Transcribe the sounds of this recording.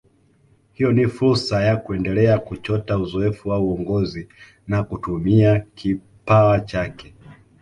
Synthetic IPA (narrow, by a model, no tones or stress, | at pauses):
hijɔnifuɾsajakuɛndɛlɛakut͡ʃɔtauzɔɛfuwauɔŋɡɔzi | nakutumiakʰi | pawat͡ʃakɛ